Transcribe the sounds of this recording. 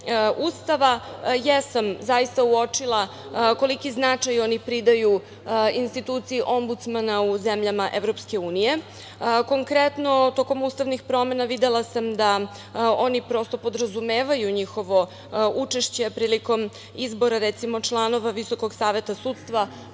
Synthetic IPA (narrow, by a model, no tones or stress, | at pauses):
ust̪aʋajesamzajist̪auo̞t͡ʂilˠa | ko̞likiznat͡ʂajo̞nipɾid̪aju | inst̪it̪ut̪siiʔo̞mbut̪smanauzemʎamaʔe̞vɾo̞pske̞uːnije̞ | ko̞ŋkɾet̪no̞t̪o̞ko̞must̪aʋnixpɾo̞me̞naʋid̪elˠasamd̪a | o̞nipɾo̞st̪o̞po̞d̪ɾazumeːʋajuɲixo̞ʋo̞ | ut͡ʂe̞ʃt͡ɕe̞pɾiːliko̞m | izbo̞ɾaɾet̪simo̞t͡ʃlˠano̞ʋaʋiso̞ko̞ɡsaːʋe̞t̪asuːt̪st̪ʋa